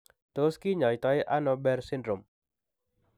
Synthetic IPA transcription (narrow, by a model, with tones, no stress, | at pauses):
t̪oski˦ɲɔ˨it̪ɔi˦ʔa˦nɔbɛ˦rsindɾʊ˨m